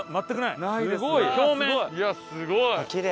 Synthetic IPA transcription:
mat̪ːakɯnainaid̪eɡoikoːmẽojasɨɡokʲiɾe

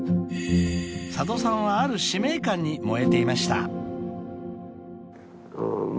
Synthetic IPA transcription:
sad̪o̞sãɰ̃βaːɾɯ̟ɕime̞ikãɲ̟ːimo̞e̞t̪e̞imaɕi̥t̪a̰

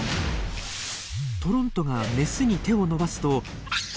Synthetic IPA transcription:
t̪o̞ɾõ̞nt̪o̞ɡame̞sɨɲ̟it̪e̞o̞no̞basɨ̥t̪o̞

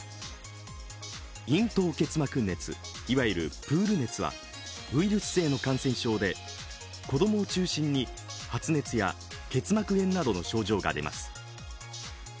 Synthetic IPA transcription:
ĩnt̪o̞ːke̞t͡sɨmakɯ̟nːe̞t͡sɨ̰ | iβaiɾɯ̟̰pɯ̟ːɾɯ̟ne̞t͡sɨβa̰ | ɯ̟iɾʲɯsɨ̥se̞ːno̞kãɰ̃sẽ̞ɰ̃ɕo̞ːd̪e̞ | ko̞d̪o̞mo̞ːt͡ɕɨːɕĩɲ̟ːi | hat͡sɨne̞t͡sɨja̰ | ke̞t͡sɨmakɯ̟ẽ̞nnːad̪o̞no̞ɕo̞ːʑo̞ːɡa̰d̪e̞̰mʔa̰sɨ̥

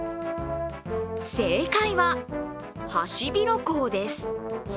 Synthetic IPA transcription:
se̞kaiβa | haɕibʲiɾo̞ko̞ːd̪e̞sɨ̥

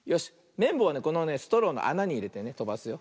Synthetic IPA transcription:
jo̞ɕi̥ | mẽ̞mboβane̞ko̞no̞ne̞sɨ̥t̪o̞ɾõ̞nːo̰ʔa̰naɲ̟iːɾe̞t̪e̞ne̞t̪o̞basɨjo̞

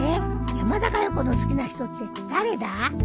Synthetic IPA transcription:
ejamad̪akajoko̞nosɨ̥kʲinaçi̥t̪o̞t͡st̪ed̪̥aɾe̞d̪a

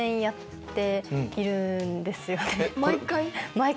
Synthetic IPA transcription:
ẽɰ̃jat̪ːe̞iɾɯ̟nd̪e̞sɨjo̞nemakaimaek

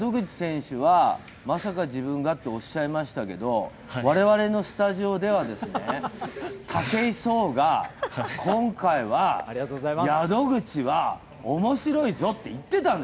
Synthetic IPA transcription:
d̪o̞ɡɯ̟t͡ɕi̥sẽ̞ɰ̃ɕɯβa | masakaʑibɯ̟̃ŋɡat̪ːeo̞ɕːaimaɕi̥t̪ake̞d̪o̞ | βaɾe̞βaɾe̞no̞sɨ̥t̪aʑio̞d̪e̞βad̪e̞sɨne | t̪ʰake̞iso̞ːɡakʰõ̞ŋkaiβaiat̪ozaajad̪o̞ɡɯ̟t͡ɕiβa | omo̞ɕiɾo̞izo̞t̪ːe̞it̪ːe̞t̪ãnd̪e

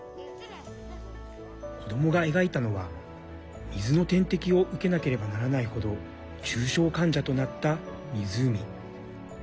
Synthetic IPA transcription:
kʰo̞d̪o̞mo̞ɡae̞ɡait̪ano̞βa | mʲizɨno̞t̪ẽ̞nt̪e̞kʲio̞ʔɯ̟ke̞nake̞ɾe̞banaɾanaiho̞d̪o̞ | t͡ɕɨːɕo̞ːkãɲ̟d͡ʑat̪o̞nat̪ːa | mʲizɨːmʲi

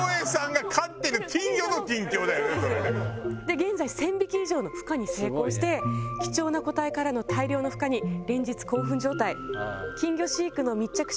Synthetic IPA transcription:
esãŋɡakʰat̪ːeɾɯ̟kʲĩŋɡʲo̞nokʲĩŋkʲo̞ːd̪ajonesoɾed̪e̞ɡẽ̞nd͡zaisẽ̞mbʲikʲiiʑo̞ːno̞ɸɯ̥kaɲ̟ise̞ːko̞ːɕi̥t̪e̞kʲi̥t͡ɕo̞ːnako̞t̪aikaɾano̞t̪ʰaiɾʲo̞ːno̞ɸɯ̟̥kaɲ̟iɾẽ̞ɲ̟d͡ʑit͡sɨ̥ko̞ːɸɯ̟̃ɲ̟d͡ʑo̞ːt̪aikʲĩŋɡʲo̞ɕiːkɯ̟no̞mʲit͡ɕakɯ̟̥

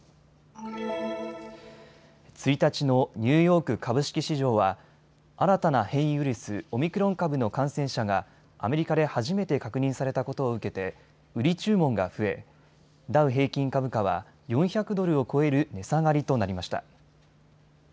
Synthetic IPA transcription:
t͡sɨit̪at͡ɕino̞ɲ̟ʲɨːjo̞ːkɯ̟kʰabɯ̟ɕi̥kʲiɕiʑo̞ːβa | aɾat̪anahẽ̞ɰ̃jɯ̟ɾʲisɨo̞mʲikɯɾõ̞ŋkabɯ̟no̞kãɰ̃sẽ̞ɰ̃ɕaɡa | ame̞ɾʲikad̪e̞haʑime̞t̪e̞kakɯ̟ɲ̟ĩɰ̃saɾe̞t̪ako̞t̪o̞ːɯ̟ke̞t̪e̞ | ɯ̟ɾʲit͡ɕɨːmõ̞ŋɡa̰ɸɯ̟e̞ | d̪aɯ̟ɦe̞ːkʲĩŋkabɯ̟kaβa̰ | jõ̞ɰ̃çakɯ̟d̪o̞ɾɯ̟o̞ko̞e̞ɾɯ̟ne̞saɡaɾʲit̪o̞naɾʲimaɕi̥t̪a̰

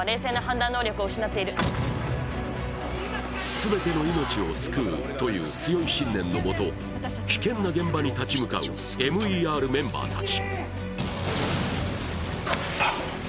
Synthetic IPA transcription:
aɾe̞ːseːnaɦãnd̪ãnːo̞ːɾʲo̞kɯo̞ɯ̟ɕinat̪ːe̞iɾɯ̟ | sɨbe̞t̪e̞no̞ino̞t͡ɕio̞sɨ̥kɯːt̪o̞jɯ̟̰ːt͡sɨjo̞iɕĩnːẽ̞nːo̞mo̞t̪o̞ | kʲi̥kẽ̞nːaɡẽ̞mbaɲ̟it̪at͡ɕimɯ̟ka̰ɯ̟̰ | e̞mɯ̟iːaːɾɯ̟mẽ̞mba̰ːt̪at͡ɕi̥

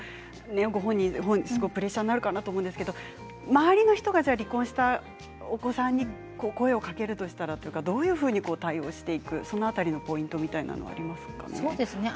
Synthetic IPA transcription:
ne̞ɡo̞ɦõ̞ɲ̟ːĩɦõɲsɨɡoipɯ̟ɾe̞ɕːaːnnːaɾɯ̟kanat̪omõnd̪esɨ̥ke̞d̪o̞ | maaɾʲino̞çi̥t̪o̞ɡaʑaːɾʲikːõɕi̥t̪a | oko̞sãɲ̟ːi | koːko̞e̞o̞kake̞ɾɯ̟t̪o̞ɕi̥t̪aɾat̪o̞jiɯ̟kad̪o̞ːjɯ̟ːɸɯ̟ːɲ̟iko̞ːt̪aio̞̰ːɕi̥t̪e̞ikɯ̟so̞no̞at̪aɾʲino̞po̞ĩnt̪o̞mʲit̪aina̰no̰a̰ɾʲimasɨ̥ka̰ned̪esne

